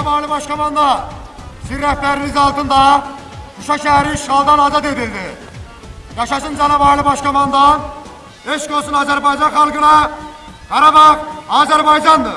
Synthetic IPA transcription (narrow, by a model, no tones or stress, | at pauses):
bɑːɾlˠɯbɑʃkʰɑmɑnd̪ɑ | siɾːæhpæɾinizɑlˠt̪ʰɯnd̪ɑ | kʰuʃɑʃæɦæɾiʃʁɑlˠd̪ɑnɑzɑt̪e̞d̪ild̪i | jɑʃɑʃɯnd͡ʒænɑbɑɾlˠɯbɑʃkʰɑmɑnd̪ɑn | eʃkosunɑːzæɾbɑjd͡ʒɑnχɑlˠɡɯnɑ | hɑɾɑbɑʁɑːzæɾbɑjd͡ʒɑnd̪ɯ